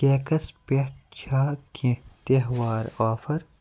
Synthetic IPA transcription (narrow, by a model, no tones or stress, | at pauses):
eːkɐspeʈt͡ʃʰaːkʰẽt̪eɦwaːɾaːfɐɾ